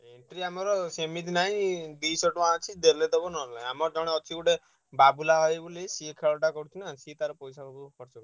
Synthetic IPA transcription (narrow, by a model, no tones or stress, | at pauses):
eɳʈɾiamɔɾɔsemit̪inaɦĩd̪isɔʈmãt͡ʃʰid̪elet̪ɔbɔnɔlaamɔɾɔd͡ʒɔɽ̃eɔt͡ʃʰiuɽe | babulaɦɔjbulisiekʰeɭɔʈakɔɾut͡ʃʰinasit̪aɾɔpɔjsakɔbukɔɾt͡ʃɔk